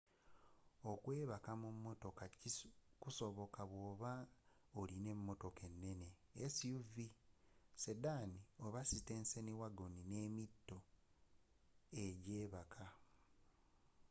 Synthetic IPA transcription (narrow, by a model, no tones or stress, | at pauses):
o̞kwe̞ːβakamumːo̞to̞kacikuso̞βo̞kaβwoːβa | oline̞mːo̞to̞ke̞nːe̞ne̞esiuvisedanio̞βasite̞ːnseniwaɡonine̞ːmitːo̞ | eɟeːβakʰa